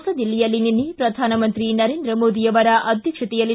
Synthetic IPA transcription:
sɐd̪ilːijɐlːininːipɾɐd̪ʱaːnɐmɐnt̪ɾinɐɾeːnd̪ɾɐmoːd̪ijɐʋɐɾɐʔʔɐd̪ʱjɐkʂɐt̪ijɐlːi

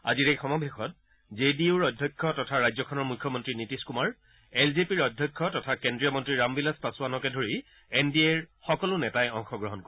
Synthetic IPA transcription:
a̰ziɹejxɔmɔbʱexɔt̚ | zediuɹɔdʱjɔkʰːɔtɔtʰaɹajzɔkʰɔnɔɹmukʰːɔmɔntɹinitiskumaɹ | ɛlzepiɹɔdʱjɔkʰːɔtɔtʰakendɹiɔmɔntɹiɹambilaspasuanɔkɛdʱoɹi | endieɹxɔkɔlʊnɛtajɔŋxɔɡɹɔɦɔnk

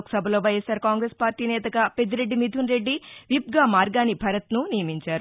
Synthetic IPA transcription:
ksɐbʱɐlo̞ːʋɐjesaːɾkaːŋɡɾeːspaːɾʈiːnɛːt̪ɐɡape̞d̪iɾe̞ɖːimid̪ʱunɾe̞ɖːiʋip̚ɡaːmaːɾɡaːnibʱɐɾɐt̪nunijɐmiɲt͡ʃaːɾu

